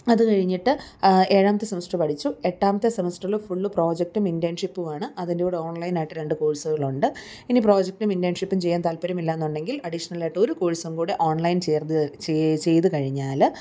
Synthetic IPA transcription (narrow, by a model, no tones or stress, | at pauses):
ɐðɨkɐɻiɲːiʈːɨe̞ːɻaːmɐt̪ːɨsɐmsʈrɐpɐʈʰit͡ɕːue̞ʈːaːmɐt̪ːɨsɐmɐsʈɐɭufuɭːɨpro̞ːd͡ʑek̚ʈumindjaːnʂipːuʋaːɳɨʔɐðindeuːɽeoːɳlɐjnaːjiʈːɨɾe̞ɳɖɨkoːɻisɐɣɐɭuɳɖɨ | inipro̞ːd͡ʑek̚ʈumindjaːnʂipːumt͡ɕe̞jːaːnt̪ɐlpɐɾɐmilːaenːuɳɖe̞ŋɡilɐɽiʂɐnɐlaːjiʈːɐo̞ɾukoːɻisɐmkuːɽeʔo̞ːɳlɐjnt͡ɕert̪ɨt͡ɕe̞jt̪ɨkɐɻiɲːaːl